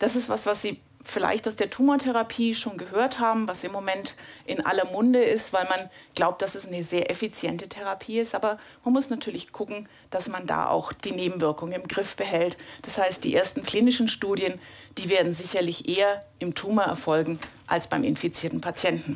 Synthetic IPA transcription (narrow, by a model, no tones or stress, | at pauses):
d̥asɪstv̥asv̥asz̥iː | fɪla̰ɪçtaʊsd̥eːɐtʰuːmɐtʰɛʁapʰiːʃoːnɡəɦøːɐthaːbm̩vasɪmːomɛntʔɪnʔa̰lɐmʊndəɪstv̥aɪlmanɡ̥laʊp̚t̚d̥asɛsanəzeːɐʔɛfit͡sjɛntətʰɛʁ̞apʰiːɪstʔaːbɐmanmʊsnatʰyːɐlɪçɡ̥ʰʊkŋ̩ | d̥asmanda̰ːʔa̰ʊxd̥iːneːbm̩vɪɐkʊŋənɪmɡʁɪfb̥əɦɛltd̥ashaɪst̚d̥iːʔḛːɐstn̩kl̥iːnɪʃn̩ʃtuːdjənd̥iːveːɐdn̩zɪçɐlɪçʔeːɐʔɪmtʰuːmɐɛɐfɔlɡŋ̩ʔa̰lsb̥aɪmɪ̰nfit͡siːɐtn̩pʰat͡sjɛntn̩